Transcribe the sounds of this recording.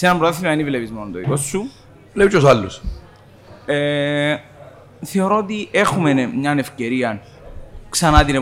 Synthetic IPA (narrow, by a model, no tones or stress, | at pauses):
senɐmbɾot̪θimɐinivlevizmonont̪oḭkosːu | vlepiosalːus | e | θe̞o̞ɾo̞ot̪iʔexumenmɲɐne̞fce̞ɾiɐn | ksɐnɐt̪ine